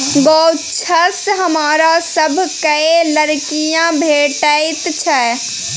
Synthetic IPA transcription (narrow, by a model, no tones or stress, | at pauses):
ɡɔt͡ʃʰəsɦəmaːɾasəbʱkələɾkijãbʱeʈəɪt̪t͡ʃʰɛ